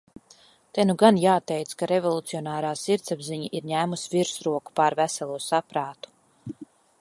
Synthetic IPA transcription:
t̪ɛnuɡanjaːt̪ɛjt̪skaɾevɔlˠut̪siɔnaːɾaːsiɾt̪sabziɲiʔiɾɲæːmusviɾsɾuɔku̥paːɾvæsalˠuɔsapɾaːt̪u̥

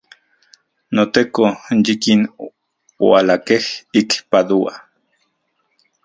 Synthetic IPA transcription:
not̪ekonjikin | wa̰lakehikpad̪ua̰

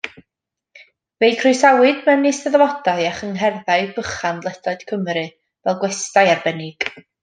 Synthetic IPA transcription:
vejkʰrɨsawɨdmɛnɪsɛðəvɔd̥aɨaχəŋɦɛrðaɨbəχanlˠɛdaɨd̥kʰəmɾɨ | vɛlˠɡwɛstajarbɛnɪɡ̥

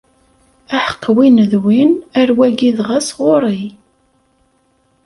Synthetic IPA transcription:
æħə̥qːwinðwinæɾwæɡiðʁæsʁʊɾˤi

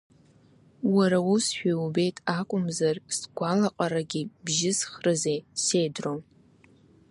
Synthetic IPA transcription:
waɾawusʃᶣaube̞jtʼakʷʼʊmzarsɡʷalaqʼaɾaɡʲɪbʒɪzχrɨzejsejdron

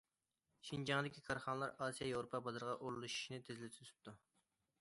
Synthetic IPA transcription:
ʃind͡ʒɑŋd̪ɪkʲikʰɑɾχɑnəlˠɑɾɑsijɑjewɾopʰɑbɑd̪ɨɾʁɑʔoɾlˠuʃi̥ʃinɪt̪ʰezlɪt̪ʰy̥t̪ʰy̥p̚t̪u

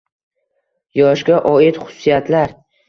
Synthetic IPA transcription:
jɒʃɡʲaʔɒɪt̪χʊ̥sːijat̪laɾ

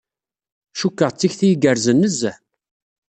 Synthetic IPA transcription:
ʃukːəʁt͡sːiçθijɡəɾzənːəzːə

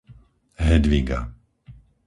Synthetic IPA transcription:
ɦɛd̪ʋiɡa̰

